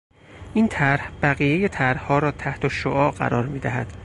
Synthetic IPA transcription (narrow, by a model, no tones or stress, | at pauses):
ʔiːnt̪ʰæɾhb̥æɣiːjejet̪ʰæɾhhɒːɾɒːt̪ʰæht̪ʰoʃoʔɒːɢæ̰ɾɒːɾmiːd̪æɦæ̰d̪̥